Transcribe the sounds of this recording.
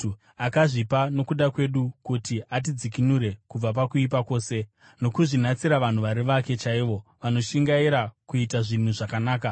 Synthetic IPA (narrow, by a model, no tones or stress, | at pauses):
akaʐipano̞kuɗakwe̞ɗukutiʔat̬id͡zikinuɾe̞kub͡vap̬akuipako̞ːse̞ | no̞kuʐinat͡siɾaʋan̤uʋaɾiʋake̞t͡ʃaiʋo̞ʋano̞ʃiŋɡaiɾakuitaʐin̤uʐakanaːka